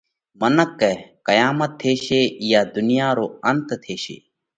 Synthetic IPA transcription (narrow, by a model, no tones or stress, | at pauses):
mənəkːɛːkəjaːmət̪ʰːeːʃeːjaːd̪ʊnjaːɾoːənt̪t̪ʰeːʃḛː